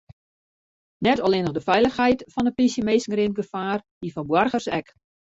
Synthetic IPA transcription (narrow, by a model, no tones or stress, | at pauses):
nɛtɔlˠɪnəɣdəfɛjləxɦɛjtfɔndəpisjəmeːsŋ̩rinɡəfaːrdifɔnbwɔrɣərsɛk